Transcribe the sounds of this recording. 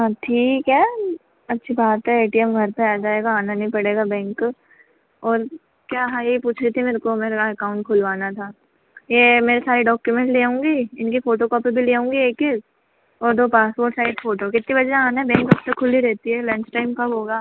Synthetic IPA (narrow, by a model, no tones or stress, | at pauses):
ɦãʈʰiːkɦɛː | ɐtːʃʰibaːt̪ɦɛeːʈiɛmɡʱɐɾpeɛːd͡ʒaːeːɡaaːnanɐɦĩpɐɽeːɡabɛ̃ːŋk | ɔːɾ | kjaːɦaːpuːt͡ʃʰɾit̪ʰimeːɾkomeːɾaɛkaːʊ̃ɳʈ̚kʰʊlʋaːnat̪ʰaː | jemeːɾesaːɾiɖɔːkjumɛ̃ɳʈleːõːŋɡiːɪnkifoːʈokɔːpibʱileːõːŋɡieːkːe | ɔːɾd̪oːpaːsoːɾɖsaːɪɖfoːʈokɪt̪nibɐd͡ʒaaːnaɛbɛ̃ːŋkɐb̚t̪ɐkʰːʊlːiɾɛɦt̪iɦɛlɛ̃nt͡ʃʈaːɪmkabɦoːɡaː